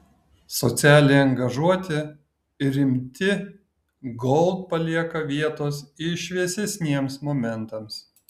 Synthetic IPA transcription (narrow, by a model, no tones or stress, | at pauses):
sɔt̪sʲæːlʲeɐŋɡɐʒuɔt̪ʲɪ | ɾʲɪmʲt̪ʲɪ | ɡɔlˠt̪̚pɐlʲiɛkɐʋʲiɛt̪oːsɪʃʲʋʲiɛsʲɛsʲnʲiɛmsmoːmʲɛnˑt̪ɐms